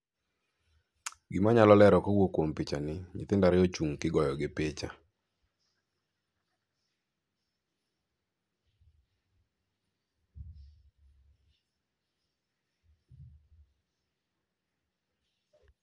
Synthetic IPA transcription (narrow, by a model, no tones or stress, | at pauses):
ɡɪmaɲalɔlɛɾɔkowokwompit͡ʃanɪɲɪ̰t̪ɪndaɾɪot͡ʃuŋkɪɡɔjɔɡɪpet͡ʃa